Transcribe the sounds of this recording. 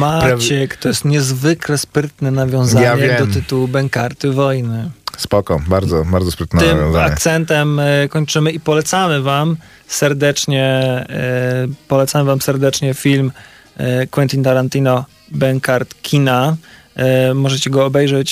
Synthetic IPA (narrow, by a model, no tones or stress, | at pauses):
mat͡ɕɛkt̪ɔjɛst̪ɲɛzvɘklɛspɾɘt̪nɛnavʲjɔ̃w̃zaaɲɛɛd̪ɔt̪ɨt̪uwubɛŋkaɾt̪ɘvɔjnɘspɔkɔbaɾd̪zɔbaɾd̪ɔspɾɘt̪nɛɪmavʲjj̰̃zaakɲɛt̪sɛnt̪ɛmkɔɲt͡ʂɘmɘipɔlɛt̪samɘvam | sɛɾd̪ɛt͡ʂɲɛ | pɔlɛt̪samɘvamsɛɾd̪ɛt͡ʂɲɛfʲilm | kwɛnt̪ʲint̪aɾant̪inɔ | bɛŋkaɾt̪kʲʰina | mɔʐɛt͡ɕɛɡɔːbɛjʐɛt͡ɕ